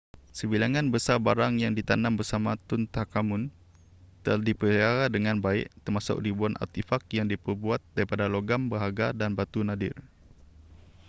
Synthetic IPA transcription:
səbilaŋanbəsabaɾaŋjaŋdit̪anambərsamat̪ʊnt̪akamʊn | t̪əladipəiaɾadəŋanbaɪ̰ʔt̪ərmasʊ̰k̚dibuana̰t̪ifak̚jaŋdipərbuat̪̚daɾipadaloɡambəɦaɡadanbat̪unadɪ̰r

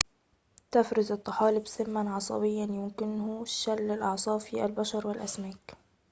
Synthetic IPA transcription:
t̪afɾɪzɨt̪ˤːɑħɑːlɪbsɪmːanʕɑsˤɑ̰bɪjːanjʊmkɪnhʊʃalːɪlʔɑʕsˤɑːfiːʔalbaʃɑɾˤwɪlʔasmaːk

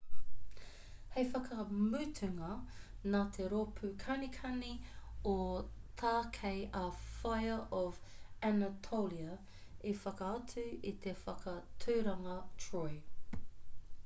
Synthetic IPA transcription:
hejfɐkʰɐmʉːtʰʉŋɐ | naːt̪ʰe̞ɾopʰʉkʰɐnikʰɐniot̪ʰaːkʰejʔɐfɐjəʔɔvænɐtʰowliɐ | ifɐkɐɐt͡sʉit̪ʰe̞fɐkʰɐtʰʉːɾɐŋɐtʰɹoj

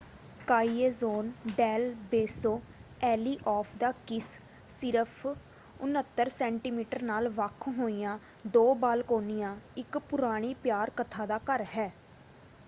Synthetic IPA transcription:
kaːieːzoːnɖɛːlbeːsoː | ɛːliːʔɔːpʰd̪aːkɪs | sɪɾəpʰ | ʊnət̪ːəɾsɛ̃ːɳʈiːmiːʈəɾnaːlʋəkʰɦoːijãː | d̪oːbaːlkoːnijãːɪkpʊɾaːɽ̃iːpjaːɾkət̪ʰaːd̪aːkəɾɦɛː

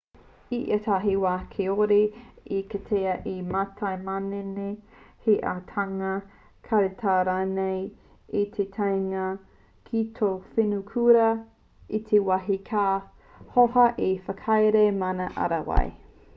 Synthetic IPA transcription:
iʔɐtʰaːɦiwaːkʰeoɾeikɐtʰeɐʔimatʰajmaneneheʔa̰tʰaŋɐ | kʰɐɾetʰaːɾaːnej | it̪ʰetʰajŋɐ | kʰitʰowfenukʰuɾɐ | it̪ʰewaɦikʰaː | hohɐʔefɐkʰajɾemanɐʔɐ̰ɾɐwa̰j̰

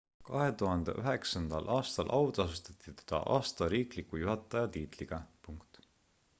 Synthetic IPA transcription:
kɑɦe̞t̪uɦɑnd̪̥ḛʔyɦe̞ksɑnd̪̥ɑlʔɑːst̪ɑlʔɑwt̪ɑsut̪ɑt̪ːˑit̪e̥d̪̥ɑ̰ʔɑ̰ːst̪ɑɾiːklikujuɦɑt̪ˑːɑjɑt̪iːt̪liɡ̥ɑpuŋkt̪

